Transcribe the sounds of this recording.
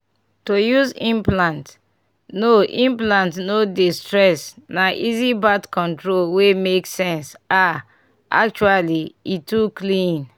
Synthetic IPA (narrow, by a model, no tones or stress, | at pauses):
tojuzĩmplãnt | noʔĩmplãntnodistɹɛsnaʔizibatkɔ̃ntɹolwemeksɛ̃nsa | ʔa̰k̚t͡ʃualiituklĩn